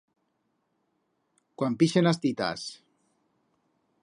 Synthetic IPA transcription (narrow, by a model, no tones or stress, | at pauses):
kwampiʃenast̪it̪a̰s